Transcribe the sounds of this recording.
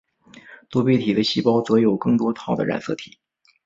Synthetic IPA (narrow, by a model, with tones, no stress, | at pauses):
t̪wɔ˥pe˥˩t̪ʰi˨˩d̪ə˦ɕi˥pɑ˥ʊt͡sɤ˧˥jo˨˩ʊkɤ˥˩ŋt̪wɔ˥t̪ʰɑ˨˥ʊd̪ə̰˧ɻa̰˨˩nsɤ̰˥˩t̪ʰi̥˨˩˦